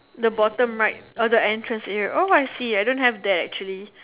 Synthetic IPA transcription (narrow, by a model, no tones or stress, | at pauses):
dəbɔtə̃mɹaɪt̚ɔdəɛ̃ntɹə̃nshioajsiajdõnthɛvdɛtɛ̰k̚t͡ʃuəli